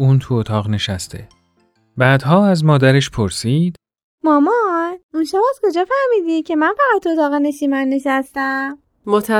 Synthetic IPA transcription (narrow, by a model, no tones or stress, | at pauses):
uːnt̪ʰuot̪ʰɒːʁne̞ʃæst̪ʰḛ | bæːd̪ɦɒːæzmɒːd̪æɾeʃpʰoɾsiːd̪̥ | mɒːmɒnunʃabɒd̪kʰo̞d͡ʒɒːfæhmiːd̪iːcʰe̞mænfæʁæt̪ʰːuot̪ʰɒːɣene̞ʃiːmænːeʃæst̪æm | mot̪ʰæ